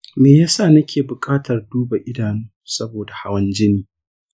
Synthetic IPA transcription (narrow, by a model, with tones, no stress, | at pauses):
meː˨jaː˦saː˦˨nɐ˦kʲeː˨bʊ˨kʼaː˦tʰɐ˨rduː˦ba˨ʔɪ˦daː˨nuː˦sɐ˦boː˨da˨ha̰˦wɐ˦nd͡ʒɪ˦niː˨